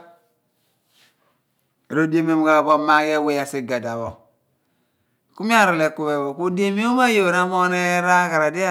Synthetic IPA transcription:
ɾo˦de˦m˦o˦m˨ka˨βo˦ma˦ke˦we˦ja˨si˦ɡa˨da˨βo˨ | ku˦mi˦a˦ɾo˨le˨ku˦βe˨βo˨ku˦de˦mi˦o˦ma˦jo˨ɾa˦mo˦ne˦ɾa˦ka˨ɾa˨di˦a˦

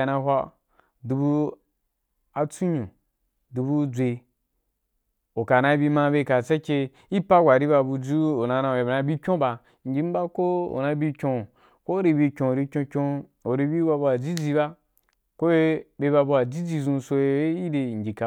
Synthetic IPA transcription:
na˧ɦʷa˦˨ | du˧bu˧ | a˧t͡su˦ɲõ˨ | du˨bu˧d͡zʷe˧ | o˨ka˨na˧˦bi˧mã˧˦be˧ka˨t͡sa˦kʲe˧ | i˦pa˦ɡʷa˨ɾi˦ba˧bu˧d͡ʒu˦o˨na˧na˧˨e˨bna˧bi˦kʲõ˦ba˧ | ŋ˨ɡʲi˨˦m̩˦ba˦ko˦o̰˨na˧bi˧kʲõ˧˨ | ko˦ɾi˧bi˧kʲõ˨o˨ɾi˧kʲõ˧kʲõ˧o˨ɾi˧bi˦ba˧bu˧a˨d͡zi˦d͡zi˧ba˦ | ko˦e˦be˧ba˧bu˧˦a˨d͡ʒi˦d͡zi˧zũ˧so˧e˦i˦de˧˨ŋ̩ʲ˨i˨ka˨

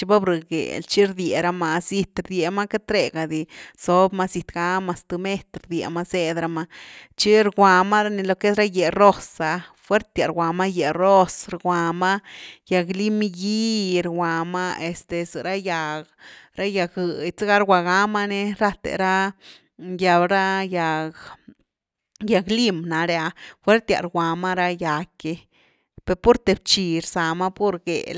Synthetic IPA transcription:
t͡ʃi˦ba˦bɾɨ˨ɡḛ˨lt͡ʃi˦ɾd̪je˨ɾa˧˦ma˧si˧t̪ɾd̪je˨ma˦ke˦t̪ɾe˧ɡa˨d̪i˨so˨˦bma˦si˧t̪ɡa˦ma˧st̪u˧me˦t̪ɾd̪jḛ˨ma˦se˦d̪ɾa˧ma˧t͡ʃi˦ɾɡʷa˨ma˦ɾa˦ni˧lo˧ke˦sɾa˦je˨ro˦sa˨fwe˦ɾt̪ja˨ɾwʷa˨ma˦je˨ro˦sɾɡʷa˨ma˦ja˨ɡli˦m˦ji˦ɾwʷa˨ma˦e˨st̪e˨sɨ˨ɾa˦ja˧ɡɾa˦ja˧ɡɨ˨jt͡se˦ɡa˦ɾwʷa˨ɡa˦ma˦ne˦ɾa˦t̪ḛ˨ɾa˦ | ja˨˧bɾa˦ja˨ɡ | ja˨ɡli˦mna˨ɾja˧fwe˦ɾt̪ja̰˨ɾɡʷa˨ma˦ɾa˦ja˨ke˧ | pe˧˨ɾpu˦ɾt̪e˨b̚t͡ʃi˧ɾsa˨ma˦pu˦ɾɡḛ˨

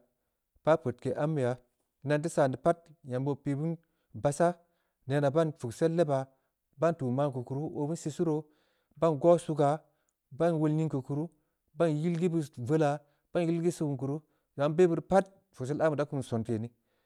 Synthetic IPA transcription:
b̥a˦po˨tke˨ʔa˦mːi˨ja˨˦ | na˨nt̬i˦sa˨ndi˨pa˦t̚ja˨mbo˨pi˨bu˦n | ba˨sa˦ | ne˨na˨ba˦nfu˨kse˦lːe˦ba˨ | ba˦ntu˨ma˦ŋku˨ku˨ɾu˦ʔo˨bu˦si˦su˦ɾo˨ | ba˦nɡo˦su˧˦ɡa˨ | ba˦nwo˦lni˦ŋkə˨ku˨ɾu˦ | ba˦nji˦lɡi˦bu˦˨və˦la˨ | b̥a˦nji˦lɡi˦su˦bu˨k̬u˨ɾu˦ | ja˨˦nbe˦bu˦ɾpa˦t̚ | fu˨ks̬e˦la˦mu˨da˦ku˦m˨nso˨nte˨ni˦

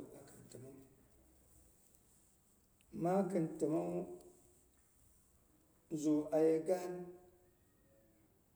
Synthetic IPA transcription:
a˨kə˨nti˨ma˦˨˦ | ma˦ɡə˨nti˨ma˦ | zu˨ʔa˨je˨ɡa˦n

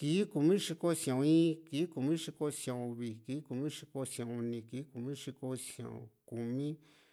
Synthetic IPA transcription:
ki˨˦ku˨mĩ˦ʂi˧ko˦sjõ˨˧ĩː˦ki˨˦ku˨mĩ˦ʂi˧ko˦sjã˨õ˧βi˨kiː˨˦ku˨mĩ˦ʂi˧ko˧sã˧u˧nĩ˧kiː˨˦ku˨mĩ˦ʂi˧ko˧sjõ̰˧˨õ̰˨ku˨mĩ˦

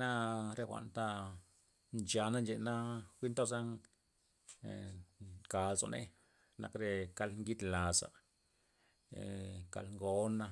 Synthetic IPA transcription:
na˦ɾe˧xʷa̰˨nt̪a˦ | nd͡ʒa˧na˦nd͡ʒe˧na˦kʷi˦nt̪o˦sa˦ŋ˨ | ka˨lzo̰˨nʔḛ˦ | na̰˧kɾe˧ka˧lŋɡi˦d̪la˨sa̰˨ | ka̰˧lŋɡo˧˦na˦

